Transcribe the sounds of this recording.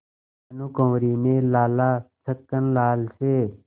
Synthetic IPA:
nukõːɾiːnẽːlaːlaːsʰəkːənlaːlseː

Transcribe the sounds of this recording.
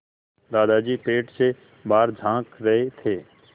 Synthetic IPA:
d̪aːd̪ad͡ʒiːpeːʈse | baːɾd͡ʒʱãːkɾɐɦet̪ʰeː

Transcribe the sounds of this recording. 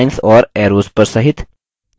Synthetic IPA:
jnsɔːɾɛɾoːspəɾsəɦit̪

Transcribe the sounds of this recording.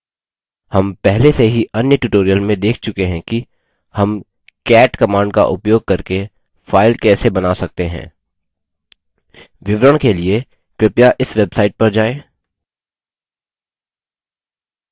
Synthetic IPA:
hɐmpɛɦleseɦiɐnjəʈuʈoːɾijəlmẽd̪eːkʰt͡ʃʊkeɦɛ̃ki | hɐm | kɛːʈkɐmaːɳɖ̚ka̰ʔʊpjoːɡ̚kɐɾke | fʰaːɪlkɛːsebɐnasɐk̚t̪eɦɛ̰̃ː | ʋɪʋɾəɽ̃kelie | kɾɪpjaʔɪsʋeːbsaːɪʈ̚pɐɾd͡ʒaːẽː

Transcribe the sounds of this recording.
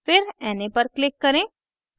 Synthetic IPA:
pʰɪɾɛːnẽpəɾklɪkːəɾẽː | s

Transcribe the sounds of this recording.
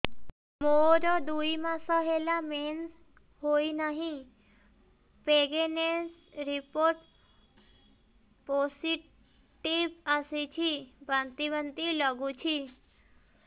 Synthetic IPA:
moɾod̪uimãsəɦelamens | ɦoinəɦĩ | peɡenes | ɾipoɾʈ | posiʈ | ʈibəsit͡ʃʰibə̃nt̪ibənt̪iləɡũt͡ʃʰi

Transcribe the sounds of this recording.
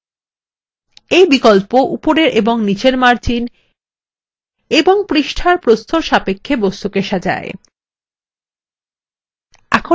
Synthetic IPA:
ejbikolpoʔupoɾeɾʔeboŋnit͡ɕeɾmaɾt͡ɕin | eboŋpɾiʃʈʰaɾpɾost̪ʰoɾʃapekʰːebost̪ukeʃad͡ʑa̰e | ɛkʰo

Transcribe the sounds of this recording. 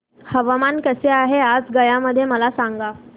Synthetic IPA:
həʋamankəseaɦead͡zɡəjaməd̪ʱːjeməlasaŋɡa

